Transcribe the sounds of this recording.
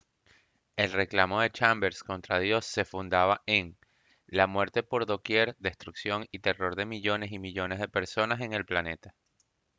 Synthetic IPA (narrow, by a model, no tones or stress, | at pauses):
e̞lre̞klamo̞ðe̞t͡ʃambe̞ɾsko̞nt̪ɾaðjo̞sːe̞fund̪aβaʔeŋ | lamwe̞ɾt̪e̞po̞ɾðo̞kje̞ɾd̪e̞st̪ɾuksjo̞ŋit̪e̞ro̞ɾðe̞miʝo̞ne̞simiʎo̞ne̞zð̞e̞pe̞ɾso̞nase̞ŋe̞lplane̞t̪ḁ